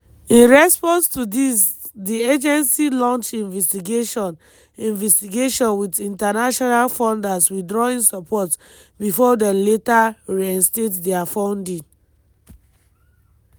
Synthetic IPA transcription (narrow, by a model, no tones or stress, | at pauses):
ĩnɹɛspɔ̃nstudis | died͡ʒɛ̃nsilɔ̃nt͡ʃĩnvɛstiɡeʃɔ̃n | ĩnvɛstiɡeʃɔ̃nwidĩntanaʃɔnalfɔ̃ndaswidɹɔĩnsɔpʰɔt | bifɔdɛ̃nletaɹiɛ̃nstetdɛafãʊ̃ndĩŋ